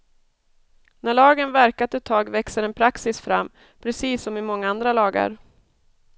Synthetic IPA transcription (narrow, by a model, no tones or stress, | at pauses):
næɭɑːɡənvæɾkat̪ɛt̪ʰːɑːɡvɛksəɾɛnpʰɾaksɪsfɾamː | pʰɾɛsiːsːɔmɪmɔŋːaand̪ɾalɑːɡə̰ɾ